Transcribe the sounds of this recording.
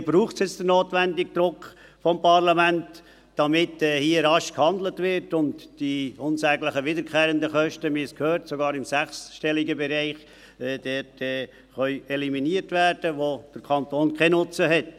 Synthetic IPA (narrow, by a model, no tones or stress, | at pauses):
b̥ɾuːχtsjɪt͡sd̥ənoːtʋændɪɡ̚d̥ɾʊkχ | fɔmpɑɾlɑmænt | d̥ɑmɪtɛːhiəɾɑʃkhɑnd̪lətʋɪɾtʊntd̥iʊnsæɡlɪχəʋɪdəɾkʰχɛːɾəndəχœʃtəmɪskʰhøːɾtsoɡɑːɾɪmsæχsʃtɛliɡəbɛɾɛɪχ | ɛd̥ɛtʰɛ | χœʏɛliminiəɾtʋæːrd̥əʋod̥əɾkʰɑntoːnkʰɛnʊt͡səɦɛt